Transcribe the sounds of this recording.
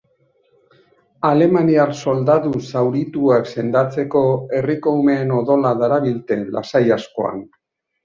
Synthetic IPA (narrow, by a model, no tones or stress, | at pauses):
ale̞maniarso̞ld̪aðusawɾit̪uakse̞nd̪at͡se̞ko̞e̞riko̞ume̞ːno̞ðo̞laðaɾaβilt̪e̞la̰sajasko̞̰a̰n